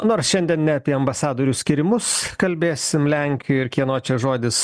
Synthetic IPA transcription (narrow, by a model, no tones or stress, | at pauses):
noːɾsʃʲɛnʲd̪ʲiɛnnʲɛɐpʲiɛɐmbɐsɑːd̪oːɾʲʊsʲkʲɪɾʲɪmʊskɐlʲbʲeːsʲɪmlʲɛŋʲkʲɪjʊɪɾkʲiɛnoːt͡ʃʲɛʒoːd̪ʲɪs